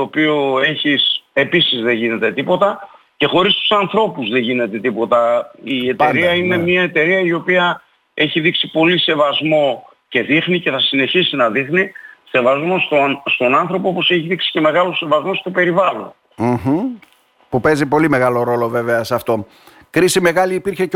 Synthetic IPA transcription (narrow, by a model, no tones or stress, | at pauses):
t̪oːpioe̞çise̞pisizðe̞ʝine̞t̪e̞t̪ipo̞t̪ɐ | ce̞xo̞ɾist̪u̥sɐnθɾo̞puzðe̞ʝine̞t̪e̞t̪ipo̞t̪ɐie̞t̪eɾiɐine̞mɲɐe̞t̪e̞ɾiɐio̞piɐ | e̞çiðiksipo̞lise̞vɐzmo̞ | ce̞ðixnice̞θɐsine̞çisinɐðixnise̞vɐzmo̞st̪ost̪o̞nɐnθɾo̞poopo̞se̞çiðiksi̥ce̞me̞ɣɐlose̞vɐzmo̞st̪ope̞ɾivɐlo̰n | m̩ | pupe̞zipo̞lime̞ɣɐlo̞ɾo̞lo̞ve̞ve̞ɐsɐft̪o̞ | kɾisime̞ɣɐliːpiɾçe̞c